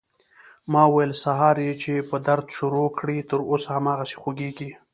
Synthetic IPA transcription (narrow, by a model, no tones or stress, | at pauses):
mɑwajəlsaɦɑɾjet͡ʃepəd̪aɾd̪ʃʊɾokɽit̪əɾosahamɑɣase̥xoɡeɡi